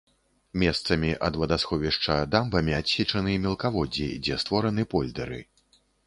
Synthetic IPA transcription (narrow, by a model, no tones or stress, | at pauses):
mʲɛst̪sɐmʲiʔɐd̪vɐd̪asxɔvʲiʂt͡ʂɐd̪ambɐmʲiasʲit͡ʂɐnɨmʲɛlˠkavɔd͡zʲḭd͡zʲɛst̪vɔɾɐnɨpɔlʲd̪ɐɾɨ̰